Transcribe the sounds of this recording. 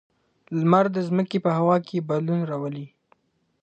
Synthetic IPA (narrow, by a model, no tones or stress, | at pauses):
lmaɾd̪əzməkepəhawɑkʰebad̪lunɾɑwəli